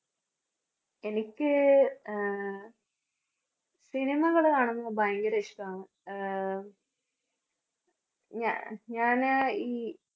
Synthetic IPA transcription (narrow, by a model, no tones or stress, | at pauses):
e̞nikʲːɨ | sinimɐɣɐɭkaːɳɐmːoːbɐjɐŋɡɐɾeʂkaːmɨ | ɲa̰ɲaːniː